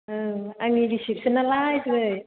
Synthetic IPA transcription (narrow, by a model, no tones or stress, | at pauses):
ʔəːʔaŋidisip̚sɯnalajslɯj